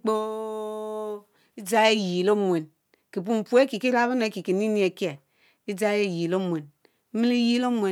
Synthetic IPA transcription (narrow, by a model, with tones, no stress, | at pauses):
k͡po˦ | i˦d͡za˦e˦˨ji˨lo˦mʷ˨e˨n | ki˨p̬u˦m̩˨pu˦e˦ki˨ki˦ɾa˦βa˦ne˨˦ki˨ki˨ni˦ni˦e˨ke˨ | i˦d͡za˦e˦˨ji˨lo˦mʷ˨e˨n̩˦ | mi˦li˦ji˦lo˦mʷ˨e˨